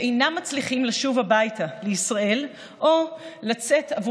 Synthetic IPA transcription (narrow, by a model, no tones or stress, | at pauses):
ʔejnamːat͡sliχimlaʃuvabajtaleisʁae̞l | ʔolat͡se̞tavu